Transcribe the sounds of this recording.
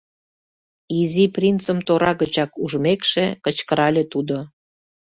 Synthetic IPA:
iziprʲint͡səmt̪oɾɑɣət͡ɕɑkuʒmekʃekə̆t͡ɕkəɾɑlʲet̪ud̪o

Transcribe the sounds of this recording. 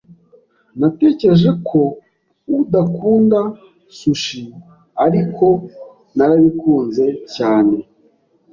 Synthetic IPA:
nate̞ːceɾeʒe̞kʰo̞ | uudakuːnda | suʃi | aɾikʰo̞ | naɾaβikuːnze̞caːne̞

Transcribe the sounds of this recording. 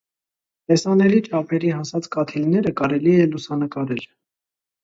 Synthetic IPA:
t̪ɛsɑnɛlit͡ʃʰɑpʰɛɾihɑsɑt͡skɑt̪ʰilnɛɾəkɑɾɛliɛlusɑnəkɑɾɛl

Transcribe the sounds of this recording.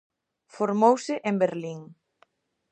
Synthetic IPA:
foɾmowsɪʔẽmbeɾliŋ

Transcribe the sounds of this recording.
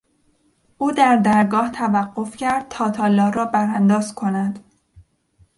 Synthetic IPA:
ʔuːd̪æɾd̪æɾɡɒːht̪ʰævæɢːo̞fcʰæɾd̪̥̚t̪ʰɒːt̪ʰɒːlːɒːɾɒːbæɾænd̪ɒːzkʰo̞næd̪̥

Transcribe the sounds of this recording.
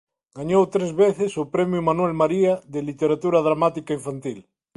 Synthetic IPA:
ɡaɲowt̪ɾezβeθesopɾemjumanwelmaɾiaðelit̪eɾat̪uɾað̞ɾamat̪ikaiɱfant̪il

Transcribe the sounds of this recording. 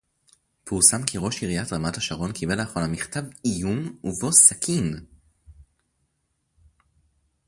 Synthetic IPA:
puʁsamkʰiʁo̞ʃiʁijatʁamathaʃaʁo̞nkʰibe̞laχolamiχtavijumuvo̞sakʰin

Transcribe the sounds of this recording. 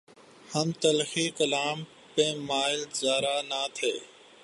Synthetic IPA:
həmt̪əlxiːkəlaːm | pẽːmaːɪlzaːɾaːnaːt̪ʰeː

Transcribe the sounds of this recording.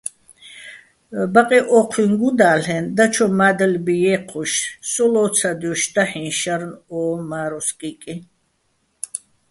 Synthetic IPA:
baqʼiʔɔːqʰwiŋɡud̪aːlɛnd̪at͡ʃʰɔmad̪əlbijɛqʰuʃsʼɔlɔt̪sʰad̪jɔʃd̪aħĩnʃaɾnɔːmaːɾɔskʼikʼi

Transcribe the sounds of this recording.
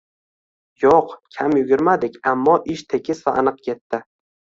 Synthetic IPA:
joqkʲʰamjʊɡʲɪɾmad̪ɪkʲamːɒʔɪʃt̪ʰe̞kʲɪsvaʔa̰nɨq̚kʲʰe̞t̪ːɪ

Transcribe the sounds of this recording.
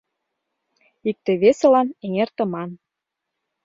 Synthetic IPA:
ik̚t̪ĕβesɤ̆lɑneŋert̪ɤ̆mɑn

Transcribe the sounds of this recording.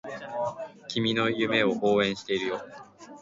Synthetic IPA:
kʲimʲino̞jɯ̟me̞o̞ʔoːẽ̞ɰ̃ɕi̥t̪e̞iɾɯ̟jo̞ː

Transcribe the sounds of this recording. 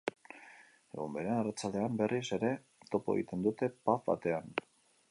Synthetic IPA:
e̞ɣumbe̞ɾenarat͡sald̪e̞ambe̞rise̞ɾe̞ | t̪o̞poeɣḭt̪e̞nd̪ut̪e̞pafβa̰t̪e̞an

